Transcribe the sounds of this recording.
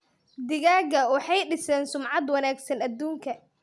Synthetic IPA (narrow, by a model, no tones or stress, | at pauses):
d̪ɪɣaːɣɐwɑħɑjɖɪsɛːnsʊmʕɑd̪wɑnaːɡsɐnɐd̪ːuːŋkʰɐ